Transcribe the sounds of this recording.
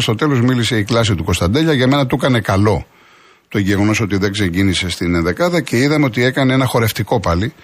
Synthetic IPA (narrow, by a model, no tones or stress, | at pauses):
st̪o̞t̪e̞lo̞zmilise̞iklɐs̬it̪uko̞st̪ɐnd̪eʎɐʝɐme̞nɐt̪ukɐne̞kɐlo̞ | t̪oʝeɣono̞so̞t̪iðe̞ɡse̞ɲɟinise̞st̪inðe̞kɐðɐce̞iðɐmeo̞t̪ie̞kɐneenɐxo̞ɾe̞ft̪iko̞pɐli